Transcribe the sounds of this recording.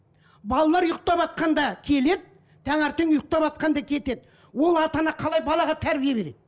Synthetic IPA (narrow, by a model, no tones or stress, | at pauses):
bɑlˠɑlˠɑɾjʊq̚t̪ɑpɑt̪̚qɑnd̪ɑkʲʰe̞le̞d̪ɪ | d̪̥æŋɑɾt̪eŋjʊq̚t̪ɑpɑt̪̚qɑnd̪ɑkʲʰe̞t̪e̞d̪ɪ | wo̞lˠɑt̪ɑnɑqʰɑlˠɑjbɑlˠɑʁɑt̪ʰæɾbijebe̞ɾed̪̥̚ɪ